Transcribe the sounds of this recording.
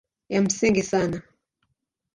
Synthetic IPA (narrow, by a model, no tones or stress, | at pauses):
jam̩siŋɡisana